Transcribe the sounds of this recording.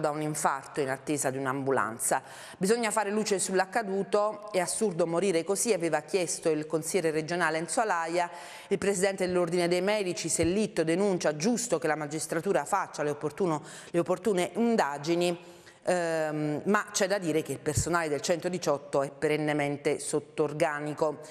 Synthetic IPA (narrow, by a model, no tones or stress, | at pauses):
d̪auniɱfart̪oinat̪ːeːzad̪iunambula̰nt̪sa | bizoɲːafaːɾeluːt͡ʃesulːakːad̪uːt̪oɛasːurd̪omoɾiːɾekoziaveːvak̟jɛst̪oilkonsilɛːɾered͡ʒonaːleinswalaja | ilpɾesid̪ɛnt̪ed̪elːord̪ined̪ejmɛːd̪it͡ʃiselːit̪ːod̪enunt͡ʃad͡ʒust̪okelamad͡ʒist̪ɾat̪uːɾafat͡ʃːaleopːot̪uːno | leopːort̪uːneʔind̪aːd͡ʒini | mat͡ʃɛd̪ːad̪ːiːɾek̟eilpersonaːled̪elt͡ʃɛnt̪od̪it͡ʃɔt̪ːoɛpːeɾenːement̪esot̪ːorɡaːniko